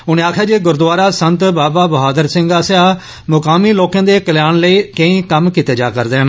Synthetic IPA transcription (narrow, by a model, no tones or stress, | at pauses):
ʊnẽːaːkʰjaːd͡ʒeːɡʊɾd̪ʊaːɾaːsənt̪baːbaːbəɦaːd̪əɾsɪ̃ŋɡaːsɪaː | mʊkaːmiːloːkãːd̪eːkəljaːnləiːkə̃ĩːkəmkit̪eːd͡ʒa̰ːkəɾd̪eːn